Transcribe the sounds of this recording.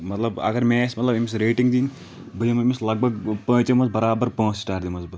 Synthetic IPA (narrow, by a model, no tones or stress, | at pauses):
mɐt̪lɐbɐ̰ɡɐɾmẽːsmɐt̪lɐbemisɾeːʈiŋɡd̪iːn | bəjimɐmislɐɡ̚bɐɡpə̃ːt͡ʃemɐzbɐɾaːbɐɾpə̃ːssʈaːʈd̪imɐzbɐ